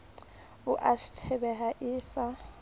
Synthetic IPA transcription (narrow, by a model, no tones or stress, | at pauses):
ʊʔaʃi̥tʰɛbɛɦaʔɪːsa